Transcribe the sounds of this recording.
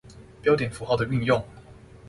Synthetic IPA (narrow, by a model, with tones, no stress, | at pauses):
pjɑ˥ʊt̪̬jɛ˨˩nfu˧˥xd̪ə˩y˥˧njʊ˥˩ŋ